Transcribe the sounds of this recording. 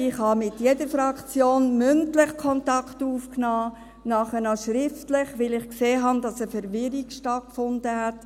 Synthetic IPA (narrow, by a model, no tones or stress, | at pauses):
ɪχhɑmɪtjɛdəɾfɾɑkt͡sjoːnmʏntlɪχkʰɔntɑktuːfknɑː | nɑχənɑʃɾɪftlɪχʋɪlɪχkseːɦɑndɑsəfɛɾʋɪɾikʃtɑt̚kfʊnd̥əɦɛt